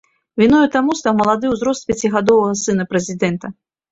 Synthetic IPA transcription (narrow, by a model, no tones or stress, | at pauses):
vʲinɔjut̪amust̪awmɐlˠad̪ɨwzɾɔst̪̚pʲat͡sʲiɣad̪ɔvɐɣɐsɨnɐpɾɛzʲid̪ɛnt̪ɐ